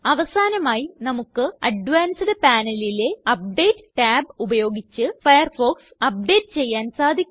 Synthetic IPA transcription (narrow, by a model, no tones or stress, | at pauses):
ɐʋɐsaːnɐmaːjinɐmukːɨɐɖʋaːnsɨɽe̞paːnɐlileɐp̚ɖe̞ːʈːɨʈaːbubɐjo̞ːɡit͡ɕːɨfɐjɐrfo̞ːksɐp̚ɖe̞ːʈːɨt͡ɕe̞jːaːnsaːd̪ʱikʲː